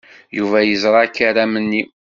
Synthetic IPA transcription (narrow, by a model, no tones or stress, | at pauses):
juvæjəzɾˤɑkːaɾæmənːi